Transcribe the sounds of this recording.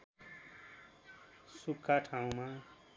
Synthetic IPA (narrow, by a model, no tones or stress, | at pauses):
sukʰːaʈʰaũma